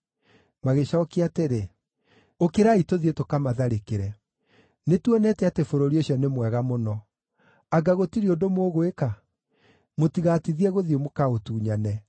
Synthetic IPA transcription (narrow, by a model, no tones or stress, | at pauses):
maɣeɕaɔkeateɾe | okeɾaitoðietokamaðaɾekeɾɛ | netwɛnɛtɛatefoɾoɾioɕiɔnemwɛɣamonɔ | aɡaɣotiɾiodomoːɣoeka | motiɣaːtiðiɛɣoðiomokaotuːɲanɛ